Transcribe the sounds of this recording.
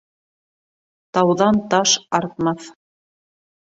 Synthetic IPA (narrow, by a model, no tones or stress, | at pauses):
t̪ɑwðɑnt̪ɑʃɑɾt̪̚mɑθ